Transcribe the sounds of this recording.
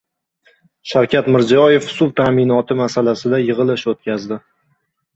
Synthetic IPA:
ʃawkʲat̪mɪɾzɒje̞fsulˠt̪ʰaːmɪnɒt̪ʰɪmasalasɪd̪ajɨʁɨlˠɪʃot̪̚kʲʰazd̪ɪ

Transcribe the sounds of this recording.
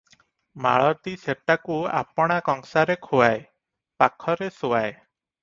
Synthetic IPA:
ma̰ɭɔt̪iseʈakua̰pɔɽ̃akɔŋsaɾekʰuae | pakʰɔɾesuae

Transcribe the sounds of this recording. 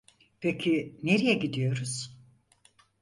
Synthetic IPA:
pʰecʰineɾijɛɟid̪ijo̞ɾuz̥

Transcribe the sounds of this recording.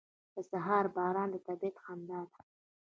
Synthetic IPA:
d̪̥əsaɦɑːɾbɑːɾɑːnd̪ət̪abit̪xɑnd̪ɑːd̪

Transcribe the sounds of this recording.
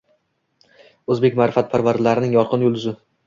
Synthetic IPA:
ɵzbe̞kʲmaɾɪfat̪̚pʰaɾvaɾd̪laɾɪnɪŋjɒɾqʰɨnjɵld̪ʊzɪ

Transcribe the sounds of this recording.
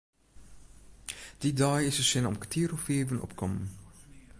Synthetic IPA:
d̥idɑːjɪsəsɪnɔ̰mkə̥tʰiːɾofeːvənɔ̰pkɔmən

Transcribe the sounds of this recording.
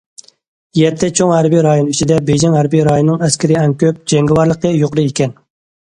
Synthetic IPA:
jɛt̪ʰːɛt͡ʃʰoŋhæɾbijɾɑjonyt͡ʃʰid̪ɛbejd͡ʒɪŋhæɾbijɾɑjonːɨŋɛskʲɪɾɪɛnkʲøp̚d͡ʒɛŋɡʲɪwɑɾlˠəqːəjoqɾɨekʲʰɛn

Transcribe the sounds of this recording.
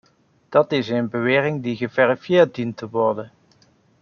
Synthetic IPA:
d̥ɑtɪsənbəʋɪːrɪŋdiɣəvɛrifjɪːɹt̚dintəʋɔɹdən

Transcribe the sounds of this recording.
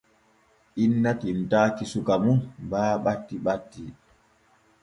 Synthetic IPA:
ʔinːatimtaːkisukamunbaːɓatːiɓatːi

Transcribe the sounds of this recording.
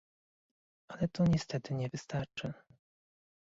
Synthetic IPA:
alɛt̪ɔɲɛst̪ɛt̪ɘɲɛvɘst̪aɾt͡ʂɘ

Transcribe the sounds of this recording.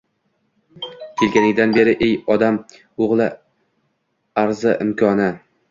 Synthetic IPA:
kʲʰe̞lɡʲanɪɡʲd̪anbe̞ɾɪʔejɒd̪am | oʁlˠɪ | aɾzɪʔɪmkʰɒnɪ

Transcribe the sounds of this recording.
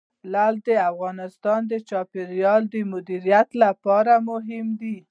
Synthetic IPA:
lald̪əafɣɑnɪst̪ɑnd̪ət͡ʃɑpɪɾjɑld̪əmʊd̪iɾijat̪lapɑɾamʊɦɪmd̪i

